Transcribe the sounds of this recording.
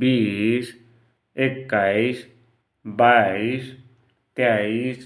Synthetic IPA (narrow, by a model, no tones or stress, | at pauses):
biːs | ekːais | bais | t̪jais